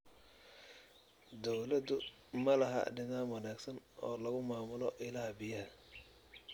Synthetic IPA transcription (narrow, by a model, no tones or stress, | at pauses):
d̪ɔwlɐd̪ʊ | mɐlɐɦɐ̰ɖɪnaːnwɐnaːɡsɐnɔːlɐɣʊmaːmʊlɔʔɪlaːhbɪjɐhɐ